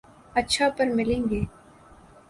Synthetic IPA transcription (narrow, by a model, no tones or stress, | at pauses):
ɐtːʃʰapɐɾmɪlẽːŋɡeː